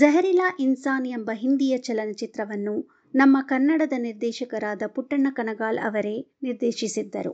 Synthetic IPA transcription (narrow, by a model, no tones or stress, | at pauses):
d͡ʒɐɦɐɾilaːʔinsaːnjɐmbɐɦind̪ijɐt͡ʃɐlɐnɐt͡ʃit̪ɾɐʋɐnːu | nɐmːɐkɐnːɐɽɐd̪ɐniɾd̪ɛːʃɐkɐɾaːd̪ɐpuʈːɐɳɐkɐnɐɡaːlɐ̰ʋɐɾe̞ːniɾd̪ɛːʃisid̪ːɐɾṵ